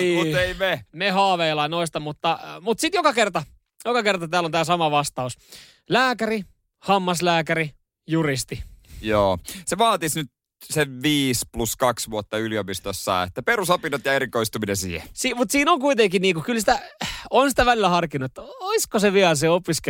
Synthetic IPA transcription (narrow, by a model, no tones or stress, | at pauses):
iːmueimemehɑːʋeilɑinoist̪ɑmut̪ːɑmut̪sit̪jokɑkert̪ɑ | jokɑkert̪ɑt̪æːlont̪æːsɑmɑʋɑst̪ɑus | læːkæri | hɑmːɑslæːkæri | jurist̪ijoːseʋɑːt̪isnyt̪ | seʋʋiːspluskɑksʋuot̪ːɑyliopist̪osːɑ̰ːḛt̪ːæpeɾusɑpinot̪jɑeɾikoist̪uminesḭːhḛsiːmut̪siːnoŋkuit̪eŋkiniːkukylsit̪æonsi̥t̪æʋælilːæhɑrkinːuet̪ːoiskoseʋiælseopisk